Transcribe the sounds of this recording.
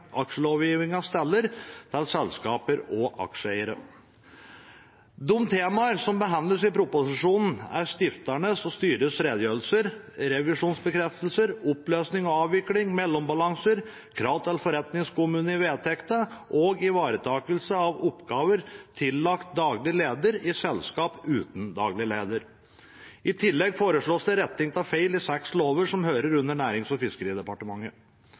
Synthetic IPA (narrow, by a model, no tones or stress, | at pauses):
ʔɑkʂəloːʋjiːʋɪŋɑʋst̪ɛlːəɾt̪ʰɛlsɛlskɑːpəɾɔʔɑ̰kʂəæɪəɾə̰ | d̪ʊmt̪ʰeːmɑəɾsɔmbəɦɑnləsɪpʰɾʊpʊsɪʂuːnn̩æ̰ɾʂt̪ɪft̪æɳəsɔst̪yːɾəsɾeːd̪jøːɾəlsəɾ | ɾɛʋɪʂuːnsbəkʰɾɛft̪əlsəɾɔpløːsnɪŋɔɑːʋʋɪklɪŋmɛlːɔmbɑlɑŋsəɾ | kʰɾɑʊt̪ʰɛlfɔɾɛt̪nɪŋskʊmʉːnəɪʋeːt̪ʰɛkt̪ɑʔɔːɡɪʋɑːɾət̪ʰɑːkəlsəɑʋɔpːɡɑːʋəɾt̪ʰɪlːɑkt̪̚d̪ɑːɡlɪəleːd̪əɾɪsɛlskɑːpʉːt̪n̩d̪ɑ̰ːɡlɪəleːd̪əɾ | ɪt̪ʰɪlːɛɡfoːɾəʂɭoːsd̪ɛɾɛt̪ːɪŋt̪ʰɑfeɪlɪsɛksloːʋəʂɔmhøːɾəɾʉnːəɳæːɾɪŋsɔfɪskəɾiːəd̪ɛpɑʈəmɑŋːə